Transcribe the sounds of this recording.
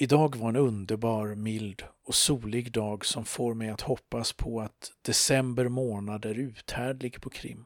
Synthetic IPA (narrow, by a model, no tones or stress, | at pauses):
ɪd̪ɑːɡvaɾɛnɵnd̪əɾbɑːɾmɪld̪ɔsuːlɪɡd̪ɑːɡsɔmfoːɾmɛjat̪hɔpːaspʰɔat̪d̪̥ɛsɛmbəɾmoːnad̪æɾʉ̟ːt̪hæːɖɭɪɡpʰɔkʰɾɪ̰mː